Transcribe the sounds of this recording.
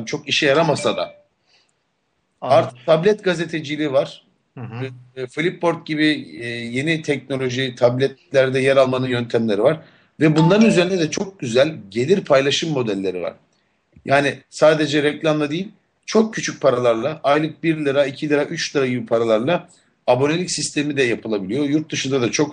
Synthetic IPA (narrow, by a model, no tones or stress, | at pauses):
mt͡ʃʰo̞kiʃɛjaɾamasad̪a̰ | aɾt̪ʰɯ̥k̚t̪ʰablʲɛt̪ɡaze̞t̪ʰe̞d͡ʒilʲivaɾ̥ | filʲipːo̞ɾt̪̚ɟibɪje̞nit̪ʰɛc̚no̞lʲo̞ʒit̪ʰablʲɛt̪lʲæɾd̪ɛjɛɾalˠmanɯnjø̞nt̪ʰæmlʲe̞ɾivaɾ | vɛbund̪aɾɯnyzeɾind̪ɛd̪ɛt͡ʃʰo̞k̚ɟyzælʲɟe̞lʲiɾpʰajlˠaʃɯmːo̞d̪ælʲːe̞ɾḭva̰ɾ̥ | jʔaːnɪsaːd̪e̞d͡ʒɛɾɛclʲamd̪ˠad̪ijilʲ | t͡ʃʰo̞kcʰːyt͡ʃʰyc̚pʰaɾalˠaɾlˠaʔajlˠɯk̚biɾlʲɯɾaicʰilʲɯɾaʔyt͡ʃlʲɯɾaɟibipʰaɾalˠaɾlˠa | abo̞nelʲicsist̪ʰe̞mid̪ɛjapʰɯlˠabilʲijo̞juɾt̪̚d̪ɯʃɯnd̪ad̪at͡ʃʰo̞k